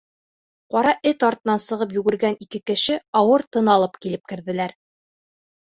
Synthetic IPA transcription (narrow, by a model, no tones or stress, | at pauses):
qɒɾɑʔɘt̪ɒɾt̪ɤ̆nɑnsɤ̆ʁɤp̬jʉɡɘ̆ɾɡænikɘkɘ̆ʃɘɒwɤɾt̪ɤ̆nɑlˠɤpkilɘp̚kɘ̆ɾðɘ̆læɾ